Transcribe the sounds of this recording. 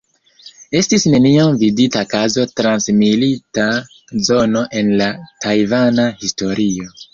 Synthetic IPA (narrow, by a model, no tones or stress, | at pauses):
e̞stisne̞niamviditakazo̞tɾansmilita | zo̞no̞ʔe̞nlatʰajvanahisto̞ɾio̞